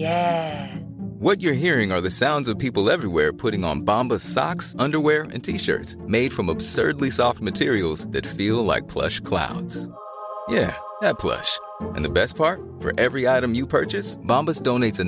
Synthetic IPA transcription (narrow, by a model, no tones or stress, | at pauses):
jæ | wʌt͡ʃə˞ɦiɹɪ̃ŋə˞ðɨsãʊ̃ndzʌv̥pʰipl̩ˠɛvɹiwɛɹpʰʊɾɪ̃ŋə̰̃nbɑ̃mbəz̥sɑ̰ksʌ̃ndə˞wɛɹɨ̰̃ntʰiʃɜ̰˞tsmeɪd̥fɹʌ̃məb̥sɜ̰˞dˡlisɔft̚mɨtʰɪɹil̩ˠzðɨtfilˠla̰ɪk̚pʰl̥ʌ̰ʃkʰl̥a̰ʊdz̥ | jæ | ðɨt̚pʰl̥ʌ̰ʃ | ʔɨ̰̃nðɨbɛs̚pʰɑɹt̚ | fə̰˞ʔɛvɹiaɪɾɨ̃mjɨpʰɜ̰˞t͡ʃɨsb̥ɑ̃mbəsd̥õʊ̃neɪtsɨ̃